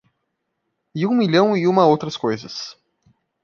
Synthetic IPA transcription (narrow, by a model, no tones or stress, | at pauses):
ɪũmiʎɐ̃w̃iũmɐowt̪ɾɐskojzɐs